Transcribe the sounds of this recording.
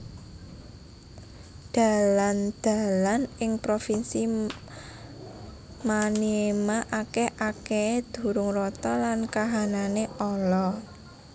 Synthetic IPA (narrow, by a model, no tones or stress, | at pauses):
d̪̥a̤land̪̥a̤lanɪŋpɾofinsi | maniemaʔakeʔaked̪̥ṳɾʊŋrɔt̪ɔlankaɦananeʔɔlɔ